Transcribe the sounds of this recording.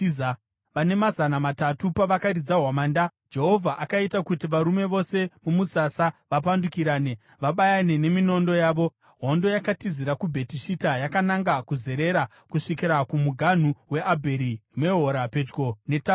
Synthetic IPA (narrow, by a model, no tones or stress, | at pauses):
ʋane̞mazanamatatupaʋakaɾid͡zaɦwamaːndad͡ʒe̞ɦo̞vʱaʔakaitakutiʋaɾume̞ʋo̞se̞mumusasaʋap̬andukiɾaːne | ʋaɓajane̞ne̞mino̞ndo̞jaːʋo̞ | ɦo̞ndo̞jakatiziɾakubʱe̞tiʃitajakanaŋɡakuze̞ɾe̞ɾa | kuʂikiɾakumuɡʱan̤uwe̞ʔabʱe̞ɾime̞ɦoɾape̞d͡ʒɡo̞ne̞ta